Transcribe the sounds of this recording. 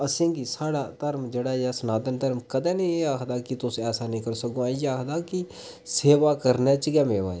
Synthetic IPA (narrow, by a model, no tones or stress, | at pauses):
əsĩːɡisaːɽaːt̪əɾmd͡ʒeːɽaːjasənaːd̪ənt̪əɾmkəd̪ɛ̃ːnĩeaːkʰd̪aːkit̪ʊsɛːsaːnĩːkəɾsəɡõaːijaːkʰd̪aːki | seːʋaːkəɾnɛːt͡ʃɡɛːmeːʋa̰ːe